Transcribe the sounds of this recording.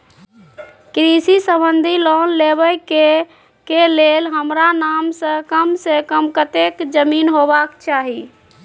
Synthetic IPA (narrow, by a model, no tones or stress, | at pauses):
kɾisisəbənd̪ʱilɔnleβəjke | kelelɦəmɾanamsə̃kəmsekəmkət̪ekd͡ʒəminɦobakt͡ʃaɦi